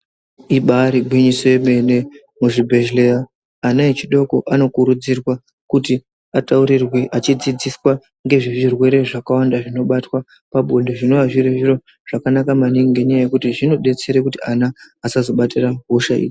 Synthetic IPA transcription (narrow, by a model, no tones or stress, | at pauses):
iɓaːɾibʱwiɲiso̞je̞me̞ne̞ | muʐibʱe̞ʒle̞raː | naet͡ʃiɗo̞ko̞ʔano̞kuɾud͡zirwa | kuti | atauɾirweʔat͡ʃid͡zid͡ziswa | ŋɡe̞ʐiʐirwe̞ɾe̞ʐakawandaʐino̞ɓatwa | paɓʱo̞ndoʐino̞ʋaʐireʐiro̞ | ʐ̥akanakamaniŋiŋɡe̞ɲajaje̞kutiʐino̞ɗe̞t͡se̞ɾekutianaː | sazo̞ɓatiraɦoʃaḭːd͡ʒi